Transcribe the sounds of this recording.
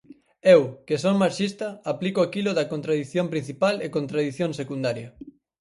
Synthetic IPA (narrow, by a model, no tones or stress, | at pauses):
ewkesoŋmaɾʃist̪ɐaplikoakilʊðɐkont̪ɾaðiθjõmpɾin̟θipalekont̪ɾaðiθjõŋsekund̪aɾjɐ